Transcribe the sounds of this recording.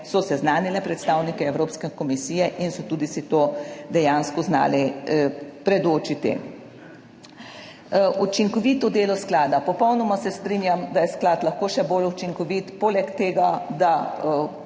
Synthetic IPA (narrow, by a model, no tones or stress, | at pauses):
sɔsɛznaːnilɛpɾɛt̪st̪aːwnikɛɛwɾoːpskɛkɔmisiːjɛʔinsɔt̪uːd̪isit̪oːd̪ɛjaːnskɔzna̰ːlɛ | pɾɛd̪oːt͡ʃit̪ḭ | ut͡ʃiŋkɔʋiːt̪ɔd̪eːlɔsklaːd̪apɔpɔwnɔmasɛst̪ɾiːnjamd̪ajɛsklaːt̪lɐxkoːʃɛbolut͡ʃiŋkɔʋit̪poːlɛkt̪eːɡad̪a